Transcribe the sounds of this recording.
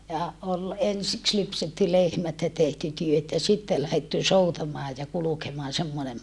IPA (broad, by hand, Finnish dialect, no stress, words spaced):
jɑ ol ensiks lypsetːy lehmæt jɑ tehty tyøt jɑ sitːe læhetːy soutɑmɑː jɑ kulukemɑːn semːonem